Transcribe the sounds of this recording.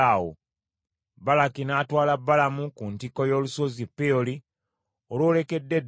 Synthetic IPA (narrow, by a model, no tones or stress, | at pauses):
awo̰ | balakinaːtwaːlabːalamukuntiko̞jo̞ːlusozipːeoli | olwoːle̞ke̞dːe̞d